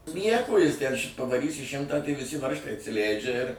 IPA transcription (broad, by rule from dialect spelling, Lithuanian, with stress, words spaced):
ˈnʲiɛkoː ˈjɪs tʲɛn ʃʲ pɐʋɐˈrʲiːsʲɪ ˈʃʲɪmtɑː tɐɪ ʋʲɪˈsʲɪ ˈʋɐrʃtɐɪ ɐtʲsʲɪˈlʲæɪd͡ʒʲɛ ɪr